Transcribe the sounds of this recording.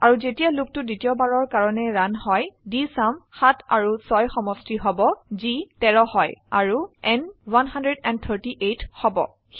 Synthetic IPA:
aɹuzetijalʊk̚tʊditiɔbaɹɔɹkaɹɔnɛɹanhɔjdisamxatʰa̰ɹusɔjxɔmɔstiɦɔbɔzitɛɹɔhɔja̰ɹuɛnwanɦandɹɛdɛn̚t̪ʰəɹtiʔetʰhɔbɔ̰

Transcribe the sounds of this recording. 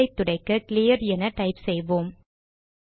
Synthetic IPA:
ɐɪt̪ːʊɽɐɪkːɯklijɐɾɛnɐʈɐɪpsɛjʋoːm

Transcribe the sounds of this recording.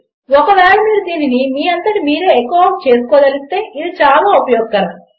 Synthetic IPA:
wɔkɐʋɛːɭɐmiːd̪ɐd̪iːninimiːɐnt̪ɐʈimiːɾe̞ːekːoːʋaːmt͡ʃe̞ːsu̥koːd̪ɐlist̪e̞ːʔid̪it͡ʃaːlaːupɐjɔːɡ̚ːɐɾɐ

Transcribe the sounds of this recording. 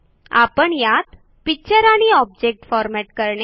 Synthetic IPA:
apəɳjat̪ | pik̚t͡ɕəɾaɽ̃iɔb̚d͡ʑek̚ʈfɔɾmɛʈkəɾɳ

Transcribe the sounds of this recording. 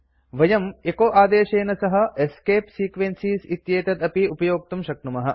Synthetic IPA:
ʋɐjɐmekoːʔaːd̪eːʃeːnɐsɐɦɐ̆eskeːpsiːkʋensiːsit̪jeːt̪ɐt̪ɐpiupɐjoːk̚t̪umʃɐk̚numɐɦɐ

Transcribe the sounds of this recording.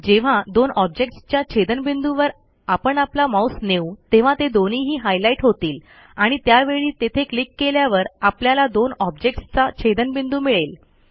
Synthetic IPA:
d͡ʑeʋ̤ad̪onɔb̚d͡ʑek̚ʈst͡ɕjat͡ɕʰed̪ənbind̪uʋəɾ | apəɳaplamawsneut̪eʋ̤ãt̪ed̪oniːɦiːɦajlaiʈɦot̪iːl | aɽ̃it̪jaʋeɭiːt̪et̪ʰeklikːeljaʋəɾapljalad̪onɔb̚d͡ʑek̚ʈst͡sat͡ɕʰed̪ənbind̪uːmiɭel

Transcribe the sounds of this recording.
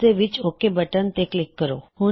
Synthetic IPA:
eʋit͡ɕokebəʈənt̪eklikːəɾohu

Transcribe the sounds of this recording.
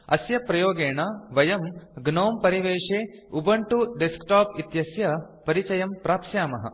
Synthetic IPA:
ɐsjɐpɾɐjoːɡeːɳaʋɐjɐmɡnoːmpɐɾiʋeːʂeːubɐɳʈuɖeskʈaːpit̪jɐsjɐ | pɐɾit͡ʃɐjɐmpɾaːpʃjaːmɐɦɐ̰

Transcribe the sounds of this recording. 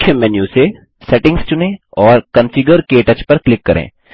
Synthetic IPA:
ʊkʰjəmɛːnjuse | sɛʈɪ̃ŋɡst͡ʃʊnẽɔːɾkɐnfʰɪɡəɾkeʈɐt͡ʃpɐɾklɪkːɐɾʔḛ̃ː

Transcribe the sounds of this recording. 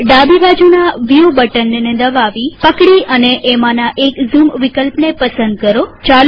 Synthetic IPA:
ɖabibad͡ʒunaʋiubəʈənːened̪əʋaʋipəkɽiʔəneʔemanaʔekzumʋikəlpnepəsə̃nd̪̚kəɾot͡ʃal

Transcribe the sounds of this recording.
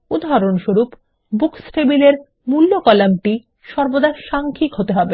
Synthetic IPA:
ud̪ʱaaɾonʃoɾup | buksʈebileɾ | mulːokɔlamʈi | ʃɔɾbod̪aɾʃaŋkʰikɦot̪eɦɔbe

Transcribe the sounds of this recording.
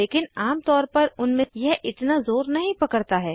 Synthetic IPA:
leːkɪnaːmt̪ɔːɾpɐɾʊnmẽjɛɦʔɪt̪nazoːɾnɐɦĩpɐkəɽt̪aɦɛː

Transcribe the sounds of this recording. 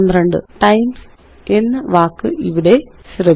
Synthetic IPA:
nd̪ɾeɳɖɨ̰ʈɐjms | e̞nːɐʋaːkːɨʔiʋiɽe̞ɕrɐ

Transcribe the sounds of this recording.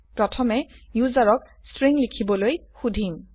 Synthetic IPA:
pɹɔtʰɔmɛjuzaɹɔk | stɹiŋlikʰibɔlojxudʱim

